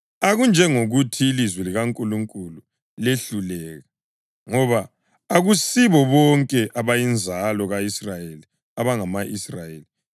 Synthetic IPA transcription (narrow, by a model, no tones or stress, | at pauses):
aɣund͡ʒʱɛŋoɣutʰiːlizwɛliɣaŋkʼuluŋkʼulu | leɬulɛːɣa | ŋɔβaː | ɣusiβɔβɔŋkʼɛʔaβajind͡zʱalɔɣaisrajeli | aβaŋamaʔisrajeːli